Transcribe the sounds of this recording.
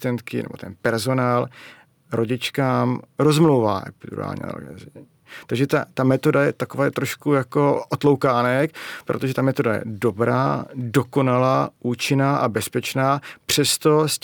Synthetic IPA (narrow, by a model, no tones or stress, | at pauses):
t̪ɛnt̪kɪ̰nɛ̰bot̪ɛnpɛɾzo̞naːl | ɾʔo̞ɟɪt͡ʃkaːmɾo̞zmlowva̰ːdṵɾa̰ːlɲɛ̰l̰ɡ̰z | t̪aɡʒɛt̪at̪amɛt̪o̞dajɛt̪akovaːt̪ɾo̞ʃkujako̞ʔot̪lo̞wkaːnɛkpɾo̞t̪oʒɛt̪amɛt̪o̞dajɛ̰do̞bɾa̰ːdo̞ko̞nalaːʔuːt͡ʃɪnaːʔabɛspɛt͡ʃnaːpr̝̥ɛst̪o̞s